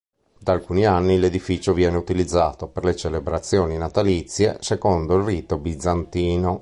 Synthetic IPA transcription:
d̪aːlkuːnianːiled̪ifit͡ʃovjɛːneut̪ilid̪zːaːt̪operlet͡ʃelebɾat̪sːjoːninat̪alit̪sːjḛsekond̪oilriːt̪obid̪zːant̪iːno

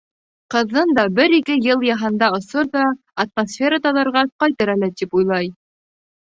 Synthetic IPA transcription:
qɤ̆ðːɤnd̪ɑbɘɾikɘjɤlˠjɑɦɤ̆nd̪ɑŏsɤɾðɑ | ɐt̪̚mosfʲe̞ɾət̪ɑðɑɾʁɑqɑjt̪ɤɾælæt̪ipujlˠɑj

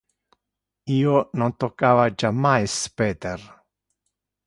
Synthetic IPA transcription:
iːonont̪okːaːvad͡ʒamːajspɛːt̪er

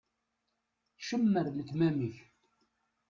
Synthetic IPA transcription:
ʃəmːəɾləkːmæmiç

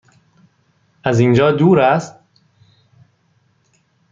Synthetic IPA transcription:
ʔæzind͡ʒɒːd̪uːɾæst̪̚

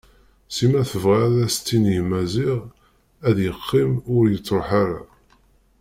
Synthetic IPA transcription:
simæθəvʁaðæst͡s̪ːinjmæziʁ | æðjəqːimʊɾjət͡sːɾoħaɾa̰

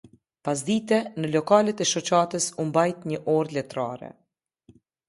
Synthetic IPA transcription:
pas̬d̪it̪ɛnəlɔkalɛt̪ɛʃɔt͡ʃat̪əsumbajt̪ɲəʔɔɾlɛt̪ɾa̰ɾɛ̰

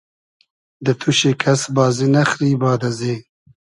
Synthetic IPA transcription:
d̪ət̪ʰuʃekʰasbɑːzinaxɾiːbɑːd̪ɐzeː

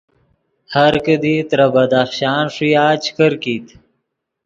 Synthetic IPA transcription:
haɾkəd̪it̪ɾabad̪axɕɑːnʂijaːt͡ʃkəɾkiːt̪

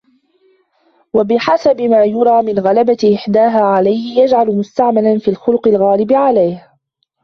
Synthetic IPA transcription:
wabɪħasabɪmaːjʊɾˤɑːmɪnɣalabaʔɪħd̪aːɦaːʕalajhɪjad͡ʒʕalʊmʊst̪aʕmalanfiːlxʊlʊqɪlɣaːlɪbɪʕalajh

